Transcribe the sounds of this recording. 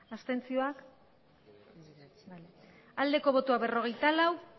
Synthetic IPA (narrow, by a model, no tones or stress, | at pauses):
ast̪e̞nt͡sio̞ak | ale | ald̪e̞ko̞β̞o̞t̪oaβe̞ro̞ɣ̞e̞jt̪alaw